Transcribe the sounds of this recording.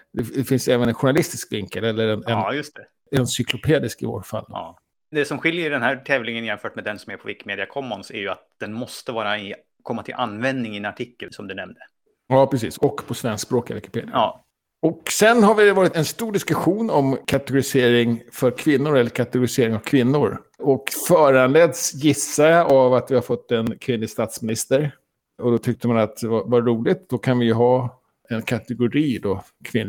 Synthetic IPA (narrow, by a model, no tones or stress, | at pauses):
d̪ɛd̪ɛfɪnsɛːvənɛnɧʊɳalɪst̪ɪskvɪŋkəlɛlːəɾɛnɛnjɵst̪ʰɛ | ɛnsʏklʊpʰeːd̪ɪskɪvo̰ːɾfa̰l̰ː | d̪ɛsɔmɧɪljəɖɛnhæʈ̪ʰɛːvlɪŋənjɛnfœːʈmɛd̪ɛnsɔmæɾpʰɔvɪkːmeːd̪ɪakʰɔmːɔnsæ̰ɾjɵat̪̚d̪ɛnmɔst̪əvɑːɾaɪ | kʰɔmːat̪ʰɪlʔanːvɛnd̪nɪŋɪɛnaʈʰɪkːəlsɔmd̪ɵnɛmd̪ə | jɑːpʰɾɛs̬ḭːsɔkːpʰɔsvɛnsksbɾoːka̰vɪkɪ̥pʰeːd̪ɪaː | ɔksɛnːɦaɾvɪvɑːɾɪt̪ɛnst̪uːɖɪskɵɧuːnɔmkʰat̪ɛɡʊɾɪseːɾɪŋfœɾkʰvɪnːʊɾɛlːəɾkʰat̪ɛɡʊɾɪseːɾɪŋavkʰvɪnːʊɾ | ɔkfœːɾanleːd̪sjɪsːajaʔavat̪vɪhaɾfɔt̪ːɛnkʰvɪnlɪst̪aːt̪smɪnɪst̪əɾ | ɔd̪ɔt̪ʰʏk̚t̪əmanat̪vavaːuːlɪt̪d̪ɔkʰanvɪjɵɦɑː | ɛnkʰat̪ɛɡʊɾiːd̪o | kʰvɪn